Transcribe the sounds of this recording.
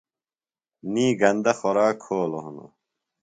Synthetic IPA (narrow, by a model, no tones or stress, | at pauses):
niːɡɐnd̪ɐxoɾaːkʰːoːloɦuno̰